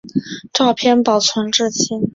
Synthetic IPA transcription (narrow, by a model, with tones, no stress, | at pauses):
ʈ͡ʂɑ˥˧ʊpʰjɛ˥˧npɑ˨˩ʊt͡sʰwə˧˥nʈ͡ʂɻ̩˥˧t͡ɕʰi˥˩n